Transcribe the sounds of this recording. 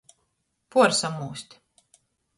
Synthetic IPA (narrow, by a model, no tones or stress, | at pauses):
puɔɾsamːuːsʲt̪ʲ